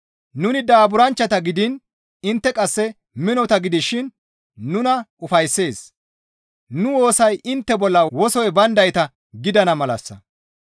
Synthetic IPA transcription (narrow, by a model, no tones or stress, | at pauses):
nʊnɪd̪aːbʊɾɐnt͡ʃːɐt̪ɐɡɪd̪ɪn | ɪnt̪ːɛkʼɐsːɛ | mɪnɔt̪ɐɡɪd̪ɪʃɪnː | ʊnɐʊfɐjsːe̞ːs | nʊwo̞ːsɐjʔɪnt̪ːɛbɔlːɐwɔsɔjbɐnd̪ɐjt̪ɐ | ɡɪd̪ɐnɐmɐlɐ̰sːɐ̰